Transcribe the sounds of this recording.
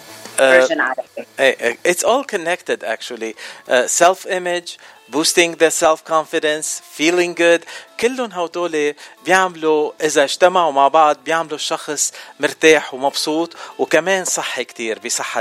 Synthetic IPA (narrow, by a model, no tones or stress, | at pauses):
ʔnʕaaʔeːʔʔɪt̪sʔoːlkɔnːɛkt̪ɪd̪ʔa̰k̚t͡ʃualiʔsɛlfʔɪmɪd͡ʒ | buːst̪ɪ̃ŋðəsɛlfkɑnfɪd̪ɛ̃nsfiːlɪ̃ŋɡʊd̪kɪlːʊnɦawt̪oːlebjaʕmluʔɪzaʒt̪amaʕʊmaʕbɑʕd̪̚ˤbjaʕmluʃɑxsˤmʊɾt̪aːħwmɑbsˤuːt̪ˤwkameːnsˤɑħːikt̪iːɾbisˤɑħːa